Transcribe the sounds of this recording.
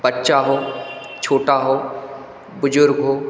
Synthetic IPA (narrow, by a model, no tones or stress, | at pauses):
bɐtːʃaɦoːt͡ʃʰoːʈaɦoː | bʊd͡ʒʊɾɡɦoː